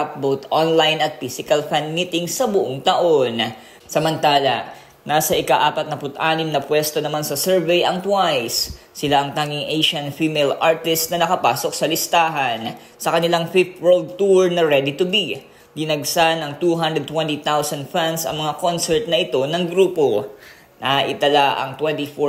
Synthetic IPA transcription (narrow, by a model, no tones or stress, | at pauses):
ap̚bot̪ʔonlajnɐt̪̚fisɪkɐlfanmit̪ɪŋsɐbʊʔoŋt̪ɐʔo̞n | sɐmɐnt̪aːlɐ̰ | nasɐʔɪkaʔaːpɐt̪̚nɐpʊt̪ʔaːnɪmnɐpwɛst̪onɐmansɐsɛɹvɛjʔɐŋt̪wajsː | ɪlaʔɐŋt̪aːŋɪŋʔejʃɐnfimelʔaɹt̪ɪst̪nɐnɐkɐpaːso̞k̚sɐlɪst̪aːɦɐn | sɐkɐnɪlaŋfɪft̪wɛld̪̚t̪uɹnɐɹɛd̪it̪ʊbi | b̪ɪnɐɡ̚sanɐŋt̪uɦãnd̪ɾɛd̪t̪wɛnt̪it̪awsɐnd̪fansɐ̰ŋmɐŋakonsɛɹt̪̚nɐʔɪt̪o̞nɐŋɡɾuːpo̞ | nɐʔɪt̪ɐlaʔɐ̰ŋt̪wɛnt̪ifo